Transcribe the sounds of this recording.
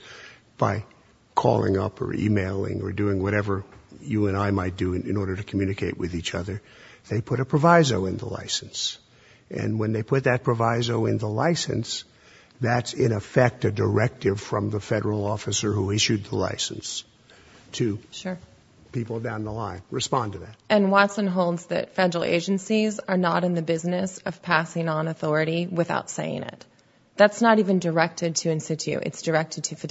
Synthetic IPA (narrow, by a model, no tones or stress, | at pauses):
b̥a̰ɪ | kʰɔ̰lˠɪ̰̃ŋʌ̰pʰə̰˞ḭmeɪlˠɪ̰̃ŋə̰˞dʉɪ̃ŋwʌɾɛvə˞jɨɨ̃naɪmaɪt̚d̥ɨɨ̃nɔɹɾə˞ɾɨkʰmjʉnɨkʰeɪʔ̚wɨðit͡ʃʌðə˞ | ðeɪpʰʊɾɨpʰɹ̥əvaɪzoʊɨ̃nðə̰la̰ɪsn̩s | ʔɨ̰̃nwə̃nðeɪpʰʊt̪̚ðɨt̚pʰɹ̥əvaɪzoʊɪ̃nðəla̰ɪsɨ̰̃ns | ðætsɪ̃ɾ̃ɨfɛk̚tɨdə˞ɛk̚tɨv̥fɹʌ̰̃mðəfɛɾə˞l̩ˠɔfɨsə˞huɪʃʉd̪̚ðəla̰ɪsn̩s | tʰɨʃʊɹ | pipl̩ˠdãʊ̃nðəlãɪ̃nɹɨspɑ̃ntɨðæt̚ɨ̃nwɑtsə̃nɦoʊlˠdzðɨ̰tfɛdə˞l̩ˠʔḛɪd͡ʒɨ̃nsizə˞nəɾɨ̃nðɨbɪznɨsʌv̥pʰæsɪ̃ŋə̃nəθɔɹɨɾiwɨθa̰ʊtseɪɪ̰̃ŋɪ̰t̪̚ | ðætsnəɾivɨ̃ndə˞ɛk̚tɨd̚tʰɨɨ̃nsɨt͡ʃʉ̰ʔɨ̰tsd̥ə˞ɛk̚tɨd̚tʰɨfɨ